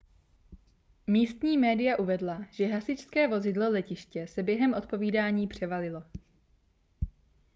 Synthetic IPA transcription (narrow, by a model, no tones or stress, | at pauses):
miːst̪ɲiːmɛːdɪjaʔuvɛdlaʒ̥ɛɦasɪt͡ʃskɛːvo̞zɪdlo̞lɛcɪʃcɛsɛbjɛɦɛmʔo̞t̪̚po̞viːdaːɲiːpr̥ɛvalɪlo̞